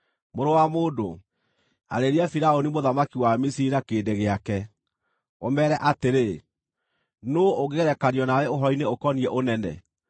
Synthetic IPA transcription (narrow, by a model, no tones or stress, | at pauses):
moɾowamoːdo̰ | a̰ɾeɾiafiɾaonimoðamakiwamisiiɾakeːdeɣeakɛ | o̰mɛːɾɛʔateɾe | nooɣeɾɛkanjɔnawɛoɦɔineokɔniɛʔonɛnɛ̰